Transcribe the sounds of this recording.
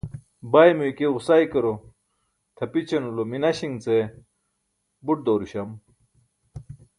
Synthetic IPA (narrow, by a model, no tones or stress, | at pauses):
bajmujkeɣusajkɐɾo | t̪ʰɐpit͡ɕʰɐnulominɐɕiŋt͡se | buʈ̚d̪oːɾuɕɐm